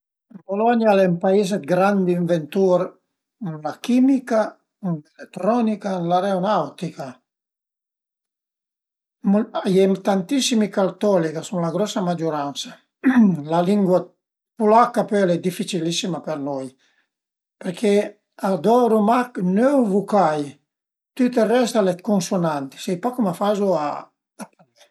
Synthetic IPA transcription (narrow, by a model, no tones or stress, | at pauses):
polɔɲjalɛmpaised̪̚ɡɾand̪iɱvent̪uɾ | nlakimika | nlelet̪ːɾɔnikanlaɾeonawt̪ika | majɛmt̪ant̪isimikalt̪ɔlikasuŋlaɡɾɔsamad͡ʒuɾansḁ | laliŋɡwa | pulakːapɛlɛd̪ifːit͡ʃilisːimapeɾnɔj | pɛɾkʰe | ad̪ɔɾumaknøwvukaj | t̪yt̪erɛst̪alɛt̪̚kunsonant̪i̥sɛjpɔkumafazua̰ː | pa | ɛ